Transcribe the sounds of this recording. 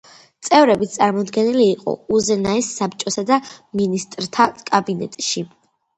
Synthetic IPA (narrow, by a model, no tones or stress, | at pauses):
t̪sʼɛvɾɛbit̪sʼaɾmɔd̪ɡɛniliːqʼɔ̰uzɛnaɛsːap̚t͡ʃʼɔsad̪aminist̪ʼɾt̪ʰakʼabinɛ̰t̪ʼʃi